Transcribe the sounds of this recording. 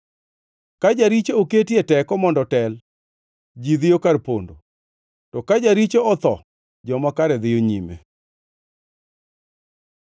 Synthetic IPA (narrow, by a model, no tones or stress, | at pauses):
kad͡ʒaɾit͡ʃooketietɛkɔmɔndɔtɛl | d͡ʒid̪ɪjokarpondo̰ | tɔkad͡ʒaɾit͡ʃoɔt̪ɔ̰ | d͡ʒɔmakaɾɛd̪ɪjoɲimḛ